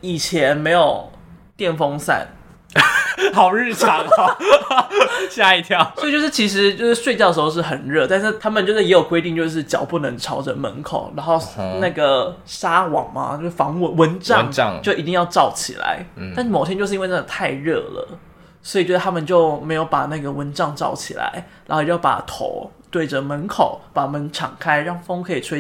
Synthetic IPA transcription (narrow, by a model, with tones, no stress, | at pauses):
i˨˩t͡ɕʰjɛ˧˦˥nme˧˥ɪjo˨˩ʊ | t̪jɛ˥˨˩nfo˥ŋsa̰˥˩n | hɑ˨˩ʊɻ̩˥˧ʈ͡ʂʰɑ˨˦ŋ˧ | ɕja˥˧i˥˩t̪ʰjɑ˧˥ʊswi˨t͡ɕo˥˧ʊʂɻ̩˥˩t͡ɕʰi˧˥ʂ̬ɻ̩˧˥t͡ɕjo˥˧ʊʂɻ̩˥˩ʂwe˥˧ɪt͡ɕjdə˩ʂxo˧ʊʂ̩˥˩xə˨˩nɻɤ˥˧t̪a˥˧nʂɻ̩˥˩t̪ʰa˥mə˨nt͡ɕjo˥˧ʊʂ̬ɻ̩˥˩jɛ˧˥jo˨˩kwe˥ɪt̪i˥˧ŋt͡ɕjo˥˧ʊʂ̬ɻ̩˥˩t͡ɕjɑ̰˨˩ʊpu˥˩nə˧˦ŋʈ͡ʂʰɑ˧˥ʊʈ͡ʂə̰˨˩mə̰˧˦nkʰo̰˨˩ʊɻa˧˥nxo˥˩ʊna˥˩ɡə˩ | ʂa˥wɑ˨˩ŋmɐ̰˦t͡ɕjo˥˧ʊʂ̩˥˩fɑ˧˥ŋwə˧˩wə˧˦nʈ͡ʂɑ˥˧ŋ˥˧t͡ɕo˥ʊʔi˧˥t̪i˥˧jɑ˥˧ʊʈ͡ʂɑ˥˩ʊt͡ɕʰḭ˨˩la̰˧˦ɪa˥˧nʂɻ̩˥˩m˨˩t̪ʰjɛ˥nt͡ɕo˥˧ʂ̩˥˧˥wna˥˩ɡ̪ə˨˩t̪ʰa˥˧ɪɻɤ̰˥˩lə̰˩ | swɔ˧˥i˨˩˨wd̪ə˧t̪ʰa˥mə˨nt͡ɕjo˥˩ʊme˧˥ɪjo˧˥ʊpa˨˩na˥˩ɡə˩wə˧˦nʈ͡ʂɑ˥˧ŋʈ͡ʂɑ˥˩ʊt͡ɕʰḭ˨˩la̰˧˦ɪɻa˨˧˥xjo˥˩jpa̰˨˩t̪ʰo̰˧˦ʊt̪we˥˩ɪd͡ʒə˩mə˧˦nkʰo˨˩ʊpa˨˩mə˧˦nʈ͡ʂʰɑ̰˨˩ŋkʰa˥ɪɻɑ˥˩ŋfo˥ŋkʰɤ˧˥i˨˩ʈ͡ʂʰwe˥